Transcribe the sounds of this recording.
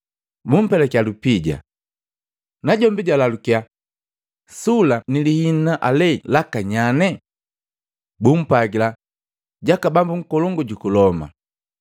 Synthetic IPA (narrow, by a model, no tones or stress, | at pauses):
bum̩pɛlɛkjalupiɟa̰ | naɟɔmbiɟalalukia | sulanilihinnaʔalɛlakaɲanɛ | bum̩paɡila | ɟakabambuŋ̩kɔlɔŋɡɔɟukulɔma̰